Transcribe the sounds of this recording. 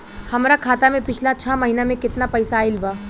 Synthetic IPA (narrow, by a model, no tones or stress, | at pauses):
hɐmɾakʰaːt̪amẽpɪt͡ʃʰlat͡ʃʰaːmɐɦiːnamẽkɪt̪napɐjsaɪlbaː